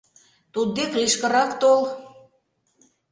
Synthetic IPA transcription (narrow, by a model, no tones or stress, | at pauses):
t̪ud̪̚ːekliʃkə̆ɾɑkt̪ol